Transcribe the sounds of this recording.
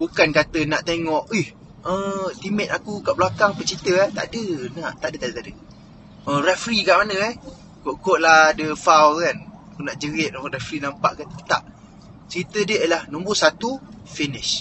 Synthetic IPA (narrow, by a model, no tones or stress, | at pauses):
bukankat̪ənaʔt̪eŋɔʔih | ət̪imɛt̪akukaʔblakaŋpəʔt͡ʃit̪əaht̪a̰dənaʔt̪aʔdət̪aʔdət̪adə | ərɛfɾikaʔmanəɛh | koʔkoʔ̚lahdəfawkanakunaʔd͡ʒəɡɪʔ̪̚nɔrɛfɾinampa̰ʔkət̪ət̪a̰ʔ | t͡ʃit̪ədəʔlahnumbʊʔsat̪ufinɪs